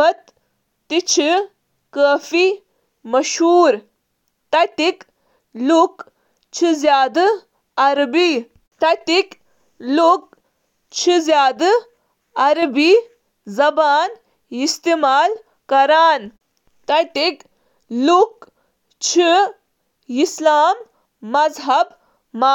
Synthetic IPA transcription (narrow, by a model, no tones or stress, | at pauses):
ɐt̪ː | it͡ʃʰi | kəːfi | mɐʃɦuːɾ | t̪ɐt̪ik | luk | t͡ʃʰizjaːd̪ɨ | ɐɾbi | t̪ɐt̪ik | luk | t͡ʃʰizjaːd̪ | ɐɾbi | zɐbaːn | ist̪emaːl | kɐɾaːn | t̪ɐt̪ik | luk | t͡ʃʰi | islaːmː | ɐzɦɐb | ma